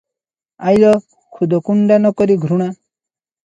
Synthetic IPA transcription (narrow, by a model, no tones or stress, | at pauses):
ajlɔ | kʰud̪ʱɔkuɳɖanɔkɔɾiɡʱɾuɽ̃a